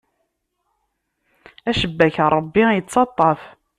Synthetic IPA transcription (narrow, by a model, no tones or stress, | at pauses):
æʃəbːæçɾˤəbːijət͡sːɑt̪ˤːɑf